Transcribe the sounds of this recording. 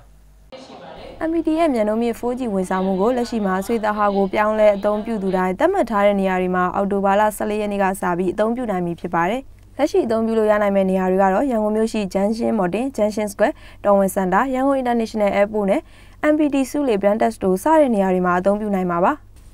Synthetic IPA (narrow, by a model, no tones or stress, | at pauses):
ʔɛ̃mpidijɛmjãnõʊ̃mjɪ̰̃fʰod͡ʑiwɪ̃nsʰãʊ̃m̥ṵɡolɛʔʃḭmaswet̪aɦaɡopjãʊ̃lɛʔət̪̬õʊ̃mpjṵd̪uɾãɪ̃nt̪ãm̥atʰːaɾɛ̰nejaɹwemaʔa̰toβala̰sɛ̰lejɛnḛɡa̰sa̰pjiʔət̪̬õʊ̃pjṵnãɪ̃mjipʰjɪpːaɾɛ | lɛʔʃḭʔət̪õʊ̃mpjṵlo̰ja̰nãɪ̃mɛ̰nejadeɡa̰dɔjãŋɡõmjo̰ʃḭd͡ʑãʃɪ̰̃mɔtɪ̃d͡ʑãʃɪ̃nsə̥kwɛ | tɔwɪ̃sãndajãŋɡõʊʔɪ̃ntanɛʃənɛʔɛponɛ̰ | ʔɛ̃mpidisṵlebãntɛstosa̰ɾɛ̰nejaɾwemaʔət̪̬õʊ̃mpjṵnãɪ̃maβa